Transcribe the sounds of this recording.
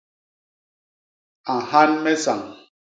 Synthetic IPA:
a˨ha˦nme˦sa˨ŋ

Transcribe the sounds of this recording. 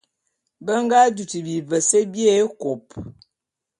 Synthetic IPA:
bə˦ŋɡa˦du˨ti˨bi˨və˨sə˦bje˦˨˦ko˨p

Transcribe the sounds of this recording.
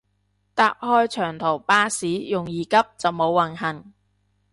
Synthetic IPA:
t̪aː˨˧p̚hɔː˥jt͡ʃʰœː˨˩ŋt̪ʰo˨˩wpaː˥siː˨˥jʊ˨ŋjiː˨kɐ˥p̚t͡sɐ˨wmo˨˧wːɐ˨˩nɦɐ˨˩ŋ

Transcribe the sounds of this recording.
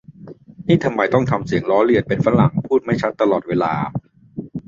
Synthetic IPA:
niː˥˩t̪ʰa˧mːa˧jt̪ɔ˥˩ŋt̪ʰa˧msi˨˩əŋɾɔː˦˥li˧˩ən̚pe˧nfa˧˥la˨˩ŋpʰuː˥˩t̪̚ma˥˩jt͡ɕʰa˦˥t̪ːa˧lɔː˨˩weː˧la̰ː˧

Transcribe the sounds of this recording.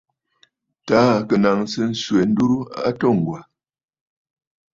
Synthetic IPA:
ta˨˦˨kə˨na˨ŋ˦sɨ˦n̩˦swe˨n̩˦du˦ɾu˦a̰˦tɔ˦˨ŋ˨ɡwa˨

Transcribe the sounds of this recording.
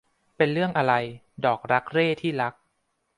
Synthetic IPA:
pe˧nɾɯ˥˩əŋʔa˧ɾa˧j | dɔː˨˩k̚ɾa˦˥k̚ɾeː˥˩t̪ʰiː˥˩ɾa˦˥k̚

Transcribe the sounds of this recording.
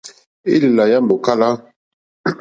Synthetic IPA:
ḭ˦li˨la˨ja˦mbo˨ka˦la˦

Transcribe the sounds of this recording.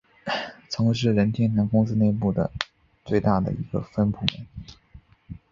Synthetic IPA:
t͡sʰɤ˧˥ŋʂ̬ɻ̩˥˩ɻə˧˥nt̪ʰjɛ˥nt̪ʰa˥nkʊ˥ŋs̬ɹ̩˥ne˥˧ɪpu˥˩d̪ə̰˩ | t͡swe˥˧ɪt̪a˥˩d̪ə̰˩i˧˥ɡə̰˧fə˥npʰu˧˥mə̰˧˥n

